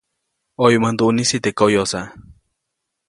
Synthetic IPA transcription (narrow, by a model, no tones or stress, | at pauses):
ojmand̪uʔnisit̪ekojosa